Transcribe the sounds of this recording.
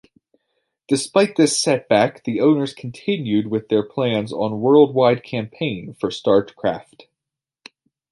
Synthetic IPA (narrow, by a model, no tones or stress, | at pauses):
d̥ɨspaɪt̪̚ðɪsɛt̚b̥ækðiõʊ̃nə˞z̥kʰn̩tʰɪ̃njʉd̚wɪðə˞pʰl̥æ̃nzn̩wɜ˞lˠd̚waɪd̚kʰæ̃mpʰẽɪ̃nfə˞stɑɹtkʰɹ̥æft